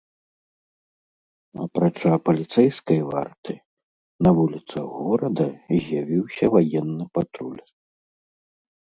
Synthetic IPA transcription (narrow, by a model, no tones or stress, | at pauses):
ɐ̰pɾat͡ʂapɐlʲit̪sɛjskɐjva̰rt̪ɨ | nɐvulʲit̪sɐɣɔɾɐd̪ɐzʲjavʲiwsʲɐvajɛnːɨpat̪ɾulʲ